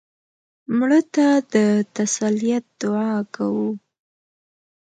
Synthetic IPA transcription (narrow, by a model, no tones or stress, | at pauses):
mɽət̪ad̪ət̪asalijat̪̚d̪̥ʊʕɑkawu